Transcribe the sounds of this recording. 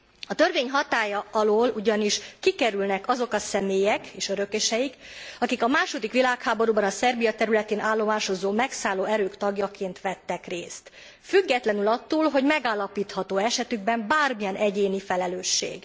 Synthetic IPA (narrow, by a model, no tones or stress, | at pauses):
ɒt̪ørveːɲɦɒt̪aːjɒɒloːluɟɒniʃkikɛɾylnɛkɒzo̞kɒsɛmeːjɛkeːʃøɾø̞keʃɛjikɒkikɒmaːʃo̞d̪ikʋilaːkhaːbo̞ɾubɒnɒsɛrbijɒt̪ɛɾylɛt̪eːnʔaːlːo̞maːʃo̞zoːmɛksaːlːoːɛɾøːkt̪ɒɡjɒkʰeːnt̪ʋɛt̪ːɛkreːst̪ | fyɡːɛt̪lɛnylɒt̪ːuːlɦo̞ɟmɛɡaːlːɒpiːt̪hɒt̪oːɛʃɛt̪yɡ̚bɛmbaːrmijɒnʔɛɟeːnifɛlɛløːʃːḛːɡ